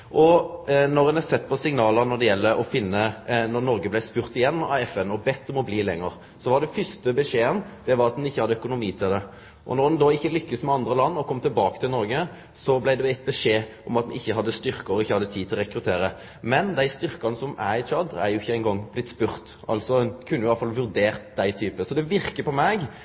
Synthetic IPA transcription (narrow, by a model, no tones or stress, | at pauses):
ʔɔnɔɾd̪ɛnɛsɛt̪ːpʰɔsɪŋnɑːləɾnɔɖ̪ɛjɛlːəɾʔɔfɪnːənɔɾnɔɾɡəblæɪspʉːɾt̪ɪjɛnːɑ̰ʋɛfɛnɔbɛt̪ːɔmɔbliːlɛ̰ŋːəɾ | sɔʋɑɖ̪ɛfʏst̪əbɛʂeːənd̪̥ɛʋɑɾɑt̪̚d̪ɛnɪçːəhɑd̪ːəœkʊnʊmiːt̪ʰɪld̪ɛ | ʔɔ̰nɔɾd̪ɛnd̪oːɪçːəlʏkːəsmɛɑnd̪ɾəlɑnːɔkʰɔmːt̪ʰɪlbɑːkə̥t̪ʰɪlnɔɾɡə | sɔblæɪd̪ɛɛt̪̚bəʂeːʔɔmɑt̪̚d̪ɛnɪçːəɦɑd̪ːəst̪ʏɾkəɔɪçːəhɑd̪ːət̪ʰiːd̪t̪ʰɪlɔɾɛkɾʉt̪ʰeːɾə | mɛnd̪æɪst̪ʏɾkɑnəsɔmæɪt͡ʃʰɑd̪æ̰ɾjʊɪçːəæɪnɡɔŋblɪt̪spʉʁt̪ɑ̰lt̪sɔkʰʉnːjʊɪɑlfɑlʋʉɾd̪eːʁt̪d̪æɪt̪ʰyːpəsɔd̪ɛʋɪɾkəpɔmɛɡ